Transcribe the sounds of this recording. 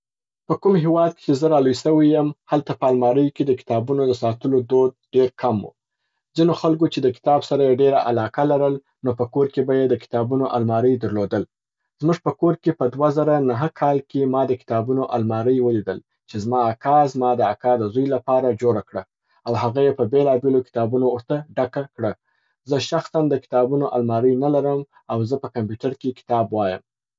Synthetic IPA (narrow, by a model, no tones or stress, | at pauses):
pəkumɦewɑd̪̚ke̥t͡ʃezəɾɑlujsəwijəmhalt̪apəalmɑɾəjked̪əkɪ̥t̪ɑbunod̪əsɑt̪əlod̪od̪̚ɖeɾkʰamṵ | zinoxalkot͡ʃed̪əkɪ̥t̪ɑbsaɾajeɖeɾaʔalɑkalaɾəl | nopəkoɾkebajed̪əkɪ̥t̪ɑbunoʔa̰lmɑɾəjd̪əɾlod̪əl | z̥muʒpəkoɾkepəd̪wazaɾanaɦəkʰɑlkemɑd̪əkɪ̥t̪ɑbunoʔalmɑɾəjwəlid̪əl | t͡ʃezmɑakʰɑzmɑd̪əakɑd̪əzojlapɑɾad͡ʒoɾakɽa | awɦaɣajepəbelɑbelokɪ̥t̪ɑbunoːɾt̪aɖakakɽa | zəʃaxsand̪əkɪ̥t̪ɑbunoʔalmɑɾəjnalaɾəm | awzəpəkampjuʈaɾkekɪ̥t̪ɑbwɑjəm